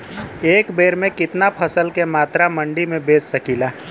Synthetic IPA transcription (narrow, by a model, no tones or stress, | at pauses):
eːkbeːɾmẽkɪt̪napʰɐsəlkemaːt̪ɾamɐ̃ɳɖimẽbeːssɐkiːlaː